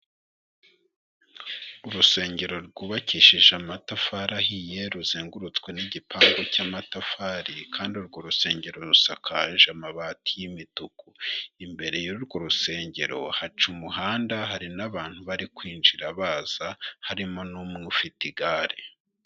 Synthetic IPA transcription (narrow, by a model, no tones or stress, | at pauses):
uɾuse̞ːɲɟe̞ɾo̞ɾɡuβaciʃiʒamatafaɾahije̞ɾuziːŋɡuɾut͡skwe̞niɟipʰaːŋɡo̞caːmatafaːɾikʰaːndiuɾɡo̞ɾuse̞ːɲɟe̞ɾo̞ɾusakʰaʒamaβaːtʰijimitukuimbe̞ɾe̞juuɾɡo̞ɾuse̞ːɲɟe̞ɾo̞hat͡ʃumuɦaːndaɦaɾinaβaːn̥huβaɾikwiːnd͡ʒiɾaβaːz̥ahaɾimo̞nuːmŋufitiɡaːɾi